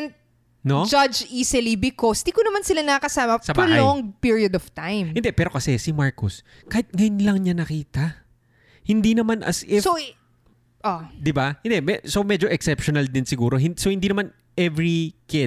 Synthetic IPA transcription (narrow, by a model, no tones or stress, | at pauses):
n | nod͡ʒɐd͡ʒiːsɪlibɪkosd̪ikonɐmansɪlanɐɐkɐsaːmɐsɐbaːlaoŋpiɹiɐd̪ɔv̥t̪ajmhɪnd̪ɛpɛːɾo̞kɐsɛsɪmaɹkos | kɐhɪt̪̚ŋɐjʊnlɐŋɲanɐkiːt̪ɐ | hɪnd̪inɐmanʔɐ̰sʔɪso | ʔod̪ɪbahɪnd̪ɛmɛsomɛd͡ʒo̞ʔɛksɛpʃonɐld̪ɪnsɪɡuːɾo̞ɦɪnsohɪnd̪iːnɐman | ʔɛvɹikɪ